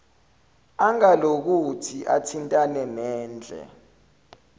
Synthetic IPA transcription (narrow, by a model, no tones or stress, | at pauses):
aŋalok̬utʰiʔatʰintʼanɛmɛːnd͡ɮʱɛ̰